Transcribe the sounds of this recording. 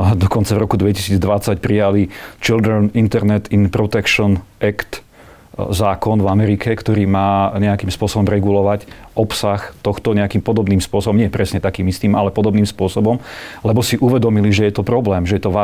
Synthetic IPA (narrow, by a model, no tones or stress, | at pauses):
d̪ɔkɔnt͡savɾɔkud̪ʋɛci̥siːd͡zd̪ʋat͡sacpɾijalit͡ʃild̪ɾɛnint̪ɛɾnɛt̪inpɾɔt̪ɛkʃɔnɛkt̪ | zaːkɔnvamɛɾikʰɛkt̪ɔɾiːmaːɲɛakiːmspʊɔsɔbɔmɾɛɡulɔʋacɔpsaxt̪ɔxt̪ɔɲɛakiːmpɔd̪ɔbniːmspʊɔsɔbɔmɲɛɛjɛpɾɛsɲɛt̪akiːmist̪iːmalɛpɔd̪ɔbniːmspʊɔsɔbɔmlɛbɔsiʔuʋɛd̪ɔmiliʒɛjɛt̪ɔpɾɔblɛːmʒɛjɛt̪ɔʋa